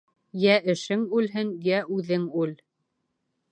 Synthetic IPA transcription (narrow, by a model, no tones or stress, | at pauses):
jæʔɘ̆ʃɘŋʉlɦɘnjæʔʉðɘŋʉl